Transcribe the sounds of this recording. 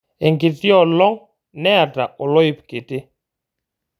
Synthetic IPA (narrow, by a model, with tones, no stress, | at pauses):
ɛ˨ŋɡi˨ti˦ɔ˨lɔ˦ŋ | nɛ˦a˨ta˨ʔɔ˨lɔ˦i˦pke˨te˦